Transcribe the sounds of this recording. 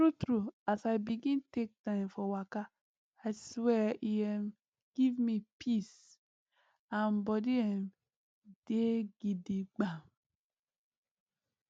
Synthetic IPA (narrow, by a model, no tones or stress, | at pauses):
tɾutɾuasajbiɡĩntek̚tãɪ̃mfɔwaka | aɪswɛʔiɛ̃m | ɡ̥ivmipʰis | ãnbɔdiɛ̃m | d̥eɡidiɡ͡bãm